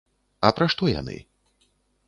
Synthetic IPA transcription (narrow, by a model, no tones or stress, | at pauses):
ɐpɾaʂt̪ɔja̰nɨ̰